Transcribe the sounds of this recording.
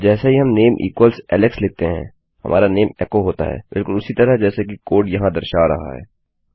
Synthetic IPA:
d͡ʒɛːsaɦiɦɐmneːmʔḭːkwəlsɛ̰ːlɪksleːt̪eɦɛ̰̃ː | hɐ̰mʔa̰ːɾaneːmɛ̰ːkoɦoːt̪a̰ɦɛ̰ːbɪlkʊlʊsit̪ɐɾəɦd͡ʒɛːsekikoːɖjɐɦãd̪ɐɾʃaɾɐ̰ɦa̰ɦɛ̰ː

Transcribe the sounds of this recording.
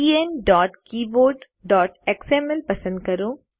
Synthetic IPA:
iːenɖɔːʈkiːboːɖ | ɖɔːʈeksemɛlpɐsə̃nd̪̚kɐɾoː

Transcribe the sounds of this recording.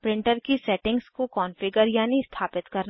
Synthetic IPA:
pɾɪ̃ɳʈəɾkisɛːʈɪ̃ŋɡskokɔːnfɪɡəɾjaːnist̪ʰaːpɪt̪kɐɾn

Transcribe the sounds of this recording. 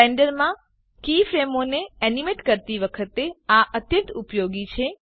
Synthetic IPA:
eɳɖəɾmã | kifɾemoneɛnimeʈkəɾt̪iʋəkʰət̪eaʔət̪jə̃nt̪upjoɡit͡ʃʰe

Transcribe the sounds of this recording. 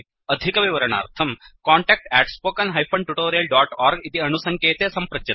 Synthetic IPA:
ɐd̪ʱikɐʋiʋɐɾɐɳa̰ːɾt̪ʰɐmkaːɳʈɛːk̚ʈɛːʈspoːkɐnɦɐjpʰɐɳʈuʈoːɾijɐlɖaːʈaːɾɡit̪iɐnusɐŋkeːt̪eːsɐmpɾɐd͡ʒjɐ

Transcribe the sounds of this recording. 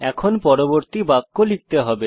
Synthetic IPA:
ɛkʰonpɔɾoboɾt̪ibakːolik̚t̪eɦɔbe

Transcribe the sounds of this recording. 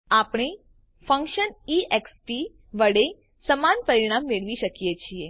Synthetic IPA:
apɽ̃e | fə̃ŋkʃəniekspi | ʋəɽe | səmanpəɾiɽ̃amːeɭʋiʃəkijet͡ʃʰie

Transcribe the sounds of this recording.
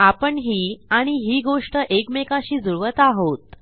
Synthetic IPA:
apəɳɦiːaɽ̃iɦiːɡoʂʈəʔekmekaɕiːd͡zuɾʋət̪aɦot̪

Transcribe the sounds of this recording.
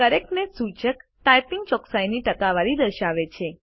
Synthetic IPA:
kəɾek̚nesut͡ʃəkʈajpiŋɡ̚t͡ʃɔksajniʈəkaʋaɾid̪əɾʃaʋet͡ʃʰe

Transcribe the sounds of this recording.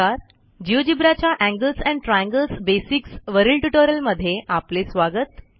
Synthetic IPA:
aɾ | d͡ʑiʋd͡ʑibɾat͡ɕjaʔæ̃ŋɡəlsæ̃ɳɖʈɾajɛ̃ŋɡəlsbesiksʋəɾilʈuʈoɾjəlməd̪ʱːjeʔaplesʋaɡət̪

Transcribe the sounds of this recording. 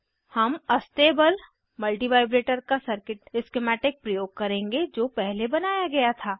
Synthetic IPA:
hɐmɐst̪eːbəl | mɐlʈiʋaːɪbɾeːʈəɾkasɐɾkɪʈɪskemɛːʈɪk̚pɾɐjoːɡ̚kɐɾẽːŋɡed͡ʒoːpɛɦlebɐnaːjaɡɐjat̪ʰaː

